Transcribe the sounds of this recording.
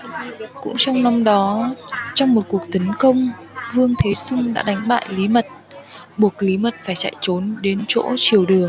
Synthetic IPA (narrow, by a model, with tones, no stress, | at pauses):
kʊ̰˧˥ŋ͡mt͡ɕɔ˧wŋ͡mna˧mɗɔ˨˦t͡ɕɔ˧wŋ͡mmo˨˩t̚ku˨˩ək̚t̪ə˨˦nkə˧wŋ͡m | vɨ˧əŋt̪ʰe˨˦sʊ˧ŋ͡mɗa̰ː˧˥ɗa˨˦jŋ̟ɓa̰ː˧˨jli˨˦mə˨˩t̚ | ɓu˨˩ək̚li˨˦mə˨˩t̚faː˧˩jt͡ɕa̰˧˨jt͡ɕo˨˦nɗe˨˦nt͡ɕo̰˧˥t͡ɕi˧˩əwɗɨ˨˩əŋ